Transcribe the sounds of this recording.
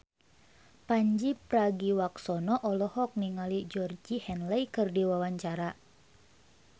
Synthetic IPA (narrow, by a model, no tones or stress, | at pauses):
paɲd͡ʒipɾaɡiwaksɔnɔʔɔlɔhɔk̚niŋalid͡ʒɔrd͡ʒihɛnlɛjkɨrdiwawaɲt͡ʃaɾa